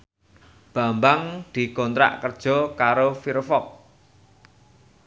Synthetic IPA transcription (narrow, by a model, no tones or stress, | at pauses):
b̥a̤mbaŋd̪̥i̤kɔnt̪ɾa̰ʔkərd̥ʒ̥ɔ̤kaɾofiɾfɔk̚